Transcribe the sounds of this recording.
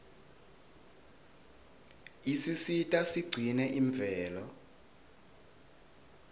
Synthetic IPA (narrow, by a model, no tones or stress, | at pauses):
isisitʼasiɡ͡ǀʱinɛʔiɱvɛːlɔ